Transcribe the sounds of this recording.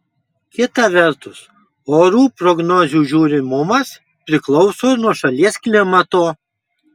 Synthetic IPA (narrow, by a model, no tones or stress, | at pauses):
kʲɪt̪ɐʋʲɛɾt̪ʊs | oːɾuːpɾɔɡnɔzʲuːʒʲuːɾʲɪmʊmɐs | pʲɾʲɪklˠɒʊsoːnuɔʃɐlʲiɛsklʲɪmɐt̪oː